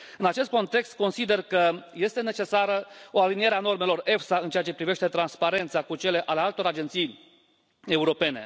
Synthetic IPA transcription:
ɨnat͡ʃe̞st̪̚ko̞nt̪e̞kst̪̚ko̞nsid̪e̞rkəje̞st̪e̞net͡ʃe̞saɾəo̞alinie̞ɾeano̞rme̞lo̞re̞fsaɨnt͡ʃeat͡ʃe̞pɾive̞ʃt̪e̞t̪ɾanspaɾe̞nt̪sakut͡ʃe̞le̞ʔale̞alt̪o̞ɾad͡ʒe̞nt̪sij | e̞uɾo̞pe̞ne̞̰

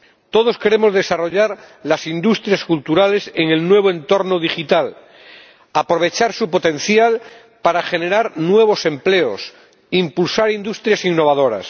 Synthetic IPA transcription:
t̪o̞ðo̞ske̞ɾemo̞zðe̞saro̞ʎaɾlasind̪ust̪ɾjaskult̪uɾale̞seŋe̞lnwe̞β̞oẽ̞nt̪o̞ɾnoð̞ixit̪al | apɾo̞β̞e̞t͡ʃaɾsupo̞t̪ẽ̞nθjal | paɾaxe̞ne̞ɾaɾnwe̞β̞o̞sẽ̞mple̞o̞s | impulsaɾind̪ust̪ɾjasiŋnːo̞βaðo̞ɾa̰s

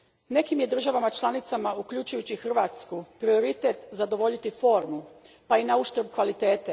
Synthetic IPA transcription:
ne̞kimje̞d̪r̩ʒaʋamat͡ʃlˠanit̪samaukʎut͡ʃujut͡ɕixr̩ʋat̪skupɾio̞ɾit̪et̪zad̪o̞ʋo̞ʎit̪ifo̞ːɾmu | painauʃt̪ɾ̩bkʋalit̪e̞ːt̪e

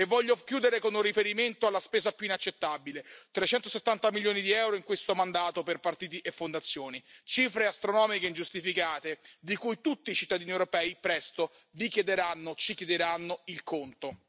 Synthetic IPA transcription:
evːɔʎːokjuːd̪eɾekonurifeɾiment̪oalːaspeːzapjuinat͡ʃːet̪ːabilet̪ɾet͡ʃɛnt̪oset̪ːant̪amiljoːnid̪iɛwɾoiŋkwest̪omand̪aːt̪operpart̪iːt̪̬iʔefːond̪at̪sːjoːnit͡ʃiːfɾeast̪ɾonɔːmikeind͡ʒust̪ifikaːt̪ed̪ikujt̪ut̪ːiːt͡ʃit̪ːad̪iːniewɾopɛːipɾɛst̪o | vikjed̪eɾanːot͡ʃikjed̪eɾanːoilkʰont̪o

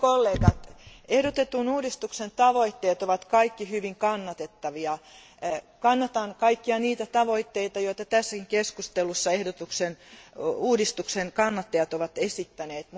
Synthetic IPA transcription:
kolːeːɡ̥ɑt̪ehdot̪et̪unuːdist̪uksent̪ɑʋoit̪ːeːt̪oʋɑt̪kɑikːihyʋiŋkɑnːɑt̪et̪ːɑʋiɑ | kɑnːɑt̪ɑnkɑikːiɑniːt̪æt̪ɑʋoit̪ːeit̪ɑjoit̪ɑt̪æsːækiŋkeskust̪elusːɑehdot̪uksenuːdist̪uksenkɑnːɑt̪ːeɑt̪oʋɑt̪esit̪ːæneːt̪m

